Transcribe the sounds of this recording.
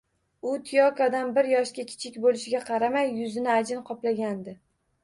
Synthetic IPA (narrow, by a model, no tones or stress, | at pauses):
ʊt̪ʰijɒkad̪anbɪɾjɒʃkʲakʲʰɪ̥t͡ʃʰɪkʲbolɪʃɪɡʲaqʰɑɾamajːʊzɪnɪad͡ʒɪnqʰɒplaɡʲand̪ɪ